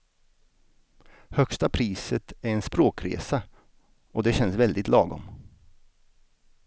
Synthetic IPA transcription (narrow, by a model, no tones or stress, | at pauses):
hœkst̪apʰɾiːsət̪æɾɛnspɾoːkɾḛːsa | ɔd̪ɛɕɛnsvɛld̪ɪt̪lɑːɡɔ̰m